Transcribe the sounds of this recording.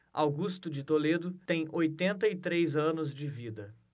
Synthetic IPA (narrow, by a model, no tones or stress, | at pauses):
a̰wɡust̪ʊd͡ʒɪt̪oled̪ʊt̪ẽj̃ojt̪ẽnt̪ɐit̪ɾejzɐ̃nʊzd͡ʒɪvid̪ɐ